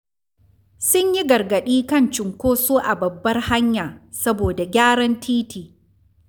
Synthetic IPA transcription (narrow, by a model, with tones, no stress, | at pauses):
sʊ˦ɲji˦ɡɐ˨rɡɐ˨ɗiː˦kɐ˦˨nt͡ʃɪ˨ŋkʷoː˦soː˦ʔa˨bɐ˨bːɐ˦rha˦ɲjaː˨ | sɐ˦boː˨da˨ɡʲaː˦ɽɐ˦ntʰiː˦tʰiː˨